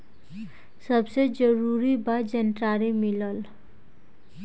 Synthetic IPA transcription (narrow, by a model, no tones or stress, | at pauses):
səbsed͡ʒəɾuɾibad͡ʒənʈɾaɾimiləl